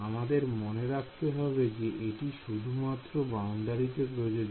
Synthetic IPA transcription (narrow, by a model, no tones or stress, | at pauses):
amad̪eɾmoneɾakʰt̪eɦɔbed͡ʑeʔeʈiʃud̪ʱumat̪ːɾoband̪aɾit̪epɾod͡ʑod͡ʑ